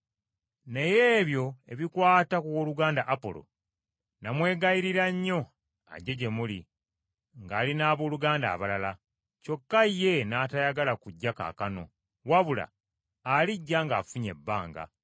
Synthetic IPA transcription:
ne̞je̞ːβjo̞e̞̰βikwaːtakuwoːluɡaːndaʔapo̞̰lo̞̰ | namwe̞ːɡajiɾiɾaɲːo̞ | a̰ɟe̞ɟe̞muli | ŋɡaːlinaːβoːluɡaːnda̰ːβalala | co̞kːaje̞naːtajaɡalakuɟːaka̰ːkano̞̰ | waβula̰ː | liɟːaŋɡaːfuɲe̞̰bːaːŋɡa̰

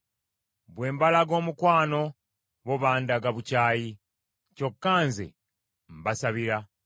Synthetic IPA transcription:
βwe̞ːmbalaɡo̞ːmukwaːno̞ | βo̞βaːndaɡaβucaːji | co̞kːaːnzḛ | m̩basaβiɾa

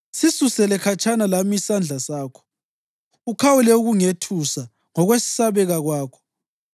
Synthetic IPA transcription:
sisusɛlɛkʰat͡ʃʰʼanalamisand͡ɮʱasaːkʰɔ̥ | ukʰawulɛuɣuŋetʰusa | ŋɔɣwesi̥saβɛɣaɣwaːkʰɔ̥

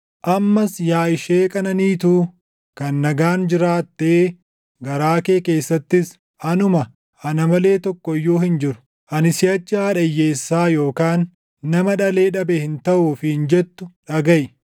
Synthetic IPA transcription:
ʔɐmːɐsjaːɪʃeːkʼɐnɐniːt̪uː | kɐnːɐɡaːnd͡ʒɪɾaːt̪ːeː | ɡɐɾaːke̞ːke̞ːsːɐt̪ːɪs | ɐnʊmɐ | ɐnɐmɐle̞ːt̪ɔkːɔɪjːoːhɪnd͡ʒɪɾʊ̥ | ʔɐnɪsɪjɐt͡ʃːɪaːᶑɐjːe̞ːsːaːjo̞ːkaːnː | ɐmɐᶑɐle̞ːᶑɐbɛhɪnt̪ɐʔuːfɪɪnd͡ʒɛt̪ːʊᶑɐɡɐʔɪ

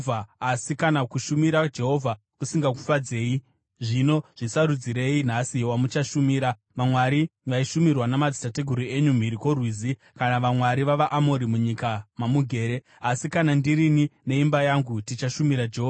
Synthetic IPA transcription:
vaasikanakuʃumiɾad͡ʒe̞ɦo̞vʱa | kusiŋɡaku̥fad͡ze̞ːi | ʐino̞ʐ̥isaɾud͡ziɾe̞in̤asiwamut͡ʃaʃumiːɾa | ʋamwaɾiʋaiʃumirwanamad͡zitateɡʱuɾue̞ɲum̤iɾiko̞rwiːzi | kanaʋamwaɾiʋaʋaʔamo̞ɾimuɲikamamuɡʱe̞ːɾe̞ | asikanandiɾinine̞imbajaŋɡutit͡ʃaʃumiɾad͡ʒeɦoːva

